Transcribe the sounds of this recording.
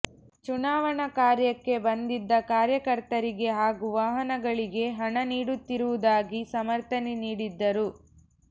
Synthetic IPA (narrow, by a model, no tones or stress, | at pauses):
t͡ʃunaːʋɐɳɐkaːɾjɐkːe̞bɐnd̪id̪ːɐkaːɾjɐkɐɾt̪ɐɾiɡe̞ɦaːɡuʋaːɦɐnɐɡɐɭiɡe̞ɦɐɳɐniːɽut̪ːiɾuʋud̪aːɡisɐmɐɾt̪ɐniniːɽid̪ːɐɾu